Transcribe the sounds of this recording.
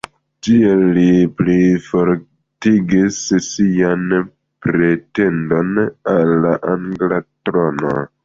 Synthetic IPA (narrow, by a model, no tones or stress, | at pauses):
tielːiplifoɾ | tiɡissian | pɾe̞te̞ndo̞nalːaʔaŋɡlatɾono̰